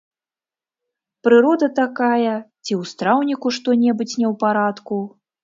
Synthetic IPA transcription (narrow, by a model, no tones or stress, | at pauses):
pɾɨɾɔd̪ɐt̪akajɐt͡sʲiwst̪ɾawnʲikuʂt̪ɔnʲɛbut͡sʲnʲɛwpaɾat̪ku